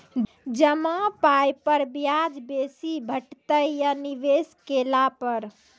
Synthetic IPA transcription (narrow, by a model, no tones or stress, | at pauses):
d͡ʒəmapajpəɾbjad͡ʒbesibʱəʈt̪əjjaniʋeskelapəɾ